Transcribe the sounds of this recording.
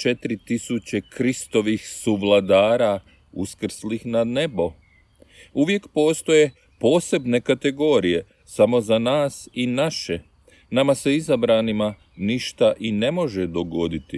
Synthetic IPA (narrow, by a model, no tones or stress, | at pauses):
t͡ʃe̞t̪ɾit̪isut͡ɕe̞kɾist̪o̞ʋixsuʋlˠad̪aːɾa | ṵskr̩slixnane̞bo̞ | uʋje̞kpo̞ːst̪o̞je̞ | po̞ːse̞bne̞kat̪e̞ɡo̞ːɾije̞ | samo̞zanaːsinaʃe̞ | namase̞izabɾanima | niʃt̪aʔine̞mo̞ʒe̞d̪o̞ɡo̞d̪it̪i